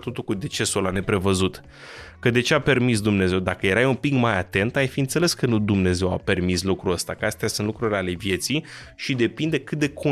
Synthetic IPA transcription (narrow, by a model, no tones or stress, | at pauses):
t̪o̞t̪ulkud̪e̞t͡ʃe̞solane̞pɾe̞vəzut̪ | kəd̪e̞t͡ʃe̞ape̞rmis̬d̪umne̞ze̞wd̪akəje̞ɾajumpikmajat̪e̞nt̪ajfiɨnt̪se̞le̞skənud̪umne̞ze̞wa̰pe̞rmislukɾuəst̪akəast̪ejasunt̪lukɾuɾʲale̞vje̞t̪sij | ʃid̪e̞pind̪ekɨt̪̚d̪e̞kʰo